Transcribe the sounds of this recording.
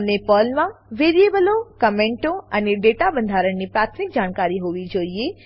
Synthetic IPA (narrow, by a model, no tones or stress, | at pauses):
nepəlmãʋeɾiebəlokəmẽɳʈoaneɖeʈabənd̪ʱaɾəɳnipɾat̪ʰmik̚d͡ʒaɽ̃kaɾiɦoʋid͡ʒoie